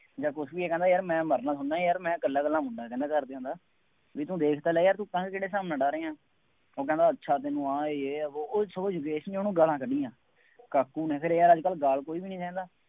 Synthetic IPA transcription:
d͡ʒaːkʊsʋiːeːkɛ̃ːnd̪aːjəːɾmɛ̃ːməɾnãːsʊnːaːijaːɾmɛ̃ːɡəlːãːɡəlːãːmʊɳɖaːkɛ̃ːnd̪aːkəɾd̪eːɦõnd̪aː | ʋiːt̪ũːd̪eːkʰt̪aːlɛːjaːɾt̪ũːkãːkːkeːɽeːsaːmnãːɖaːɾeːãː | oːkɛ̃ːnd̪aːətːʃʰaːt̪enũːaːeeːoːoːsəod͡ʒʊkeːʃənoːnũːɡəlãːkəɖiːãː | kaːkːuːnɛ̃ːpʰɪɾeːəɾəd͡ʒkəlɡaːlkoːiːbiːnĩːtɛ̃ːnd̪aː

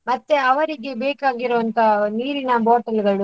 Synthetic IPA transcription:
mɐt̪ːeɐʋɐɾiɡe̞beːkaːɡiɾuʋɐnt̪ʰɐniːɾinɐboːʈɐlɡɐɭu

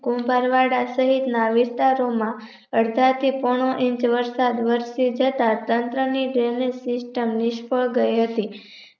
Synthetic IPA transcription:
kũmbaɾʋaɽasəɦit̪naʋɪst̪aɾomã | əɽd̪ʱat̪ʰipɔɳ̃oʔɪ̃ɲt͡ʃʋəɾsad̪ʋəɾsid͡ʒət̪at̪ənt̪ɾəniɖelesɪsʈəmnɪʃpəɭɡəjɦət̪i

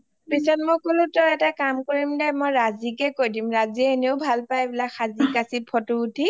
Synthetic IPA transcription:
pisɔtmɔjkolʊ̃tɔɛtakamkoɹimdɛmɔjɹazikɛkojdimɹaziɛeneʊbʱalpajbilakxazikasipʰɔtutʰi

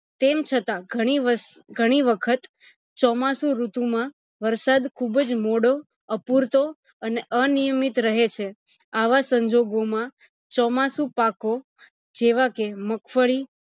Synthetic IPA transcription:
t̪emt͡ʃʰət̪aɡʱəɽ̃iʋəɡʱəɽ̃iʋəkʰət̪ | t͡ʃɔmasũɾut̪ũmã | ʋəɾsad̪kʰubd͡ʒmoɽo | əpuɾt̪o | əneʔənijəmit̪ɾəɦet͡ʃʰe | aʋasəɲd͡ʒoɡomã | t͡ʃɔmasũpako | d͡ʒeʋakeməkʰfəɭi

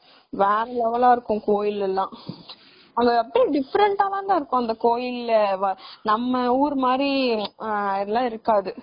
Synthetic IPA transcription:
ʋeːɾɛlɐʋɐlaːɪɾɯkːʊ̃koːjɪlːɛlːãː | ɐŋɡɐɐpːɐɽiɖɪfɐɾɛɳʈaːlãːnd̪aːɪɾɯkːʊ̃ɐnd̪ɐkoːjɪlːʋɐnɐmːɐuːɾɯmaːd̪ɾi | ɪðɛlːãːɪɾɯkːaːðɯ

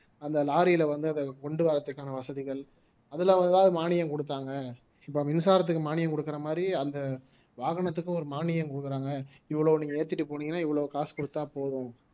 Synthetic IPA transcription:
ɐnd̪ɐlaːɾɪjɪlɐʋɐnd̪ɯɐnd̪ɐkɔɳɖɯʋaːɾɐt̪ːɯkːaːnɐʋɐsɐðɪɣɐɭ | ɐðɯlãːʋɐnd̪ɯd̪aːɐðɯmaːnɪjɐmkɔɽɯt̪ːaːŋɡɐ | ɪpːoːmɪnɯsaːɾɐt̪̬ːɯkːɯmaːnɪjɐmkɔɽɯkːɪɾɐmaːd̪ɾiɐnd̪ɐ | ʋaːɣɐɳɐt̪̬ːɯkːʊ̃ɔɾɯmaːnɪjɐmkɔɽɯkːɪɾaːŋɡɐɪʋːɐɭɐːniːŋɡɐeːɾt̪ːɪʈːɯpoːɳiŋɡɐnːaːɪʋːɐɭɐʋkaːspɔɽɯt̪ːãːpoːðʊ̃

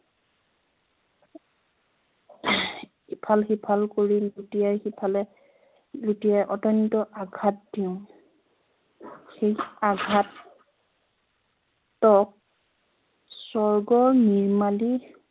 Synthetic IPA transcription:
ipʰalxipʰalkoɹilutijajxipʰalɛ | lutijajʔɔtɔntɔʔaɡʱat̚d̥iʊ̃ | xejaɡʱat̚ | tɔk̚ | sɔɹɡɔɹniɹmali

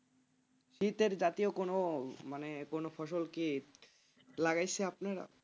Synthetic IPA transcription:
ʃit̪eɾd͡ʑat̪iokonomanekonofʰɔʃolki | laɡajt͡ɕʰeapnaɾa̰

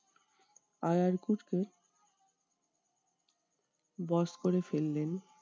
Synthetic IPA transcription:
ajaɾkuʈke | bɔskoɾefelːen

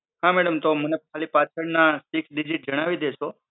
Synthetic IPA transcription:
ɦãmɛɽəmt̪omənekʰalipat͡ʃʰəɽnasiksɖid͡ʒiʈ̚d͡ʒəɽ̃aʋid̪eʃo

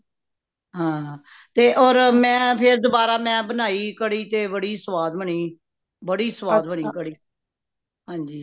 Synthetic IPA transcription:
ɦãː | t̪eːʔɔːɾmɛ̃ːpʰɪɾd̪obaːɾaːmɛ̃ːbənaːiːkəɽiːt̪eːbəɽiːsəʋaːd̪bəɳiː | bəɽiːsəʋaːd̪bəɳiːkəɽiː | ɦãːɲd͡ʒiː

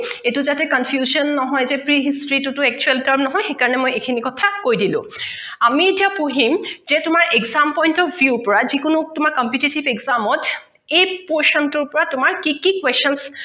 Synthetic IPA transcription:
etʊzatɛkɔnpʰjuzɔnːɔɦɔjzɛpɹiɦistɹitutʊɛk̚t͡ʃuɛltaɹmnɔɦɔjxekaɹɔnɛmojekʰinikɔtʰakojdilʊ̰̃ | amietiapuɦimzɛtʊmaɹʔeɡzampɔjntɔbjuɹpɔɹazikʊnʊtʊmaɹkɔmpjutitibeɡzamɔt | ejpɔɹsɔntʊɹpɔɹatʊmaɹkikikwesɔns

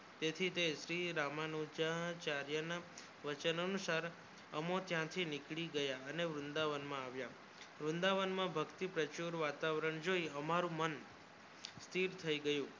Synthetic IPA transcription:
t̪et̪ʰit̪eʃɾiɾamanod͡ʒat͡ʃaɾjəna | ʋət͡ʃənənusaɾ | əmõt̪jãt̪ʰinɪkɭiɡəjaəneʋɾʊnd̪aʋənmãaʋja | ʋɾʊ̃nd̪aʋənmãbʱəkt̪ipɾət͡ʃuɾʋat̪aʋɾəɳd͡ʒoiəmaɾũmən | st̪ʰiɾt̪ʰəiɡəjũ

